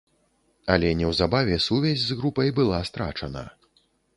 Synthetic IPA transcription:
ɐlʲɛnʲɛwzabavʲɛsuvʲazʲzɣɾupɐjbɨlˠast̪ɾa̰t͡ʂɐnɐ̰

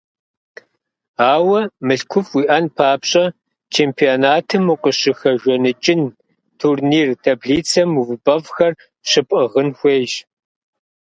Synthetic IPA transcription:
aːwɐmɨɬkʷʰʊfwiːʔɐnpʰaːpɕʼɐ | t͡ʃʰeːmpʰionaːtʰɨmuqʼəɕɪxɐʒʷɔnɨt͡ʃʼɪn | tʰurniːrtʰɐbɮiːt͡sʰɐmuvɨbɐvxɐr | ɕɨpʼɐʁənxʷeːʒ

